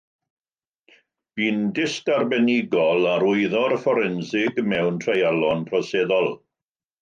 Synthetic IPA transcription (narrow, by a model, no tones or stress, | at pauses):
b̥iːndɪstarbɛnɪɡɔlˠaɾʊɨðɔɾəfɔɾɛnsɪɡmɛwntʰrejalˠɔnpʰrɔseːðɔlˠ